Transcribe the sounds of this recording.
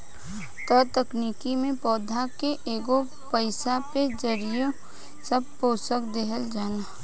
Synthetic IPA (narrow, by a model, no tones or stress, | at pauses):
t̪ət̪əkniːkimẽpɔːd̪ʱakeʔeːɡo | pəɪsaped͡ʒəɾijo | səb̚poːsəkd̪eɦəld͡ʒaːnaː